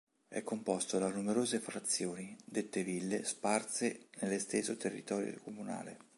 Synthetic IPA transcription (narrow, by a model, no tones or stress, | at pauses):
ɛ̰kːompɔst̪od̪anumeɾoːzefɾat̪sːjoːnid̪et̪ːevilːesparsenelːest̪esot̪erːḭt̪ɔːɾjo̰komuna̰ːlḛ